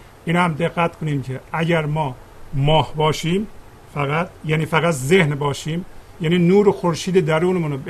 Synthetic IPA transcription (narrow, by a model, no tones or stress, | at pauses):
ʔinhæmd̪eɣːæt̪kʰoniːmcʰeʔæɟæɾmɒː | mɒːhbɒːʃiːm | fæɣæt̪jæːniːfæɣæt̪zehnbɒːʃiːm | jæːniːnuːɾexoɾʃiːd̪ed̪æɾuːnemunb